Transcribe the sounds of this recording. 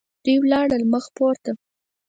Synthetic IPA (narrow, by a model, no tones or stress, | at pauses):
d̪̥ujwlɑɽəlməxpoɾt̪a